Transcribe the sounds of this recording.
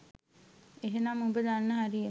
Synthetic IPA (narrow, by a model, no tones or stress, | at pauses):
eɦenaːmumbəd̪anːəɦaɾie